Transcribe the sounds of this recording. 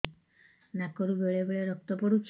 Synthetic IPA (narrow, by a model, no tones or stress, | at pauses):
nakɔɾubeɭebeɭeɾɔk̚t̪ɔpɔɾut͡ʃʰ